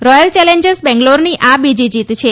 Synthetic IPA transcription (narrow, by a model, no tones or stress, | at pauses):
ɾɔjəlt͡ʃɛleɲd͡ʒəɾsbɛ̃ŋɡloɾniʔabid͡ʒid͡ʒit̪t͡ʃʰe